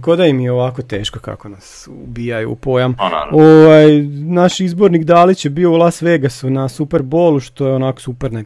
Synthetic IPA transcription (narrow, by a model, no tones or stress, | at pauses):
kod̪ajimijeoʋakot̪e̞ːʃkoka̰konas | ṵbiːjajṵːpo̞jamoʋajnaʃizbo̞ɾnikd̪aːlit͡ɕjebioulˠast̪ʋeɡasunasupeɾbo̞ːlˠuʃt̪o̞jeonako̥supeɾne